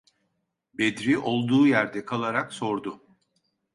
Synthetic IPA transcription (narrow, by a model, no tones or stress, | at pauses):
bed̪ɾiʔo̞lˠd̪uːjæɾd̪ɛkʰalˠaɾakso̞ɾd̪ʊ